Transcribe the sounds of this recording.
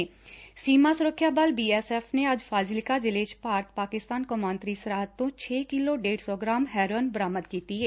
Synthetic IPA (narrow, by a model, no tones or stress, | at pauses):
siːmasʊɾəkʰːjaːbəlbiːɛsɛːfneɐd͡ʒfʰaːzɪlɪkad͡ʒɪleːt͡ʃpaːɾt̪̚paːkɪst̪aːnkomãːnt̪ɾisəɾaːɦt̪ːõːt͡ʃʰeːkɪloɖeːɽsɔːɡɾaːmɦɛːɾənbəɾaːmət̪̚kiːt̪iɦɛː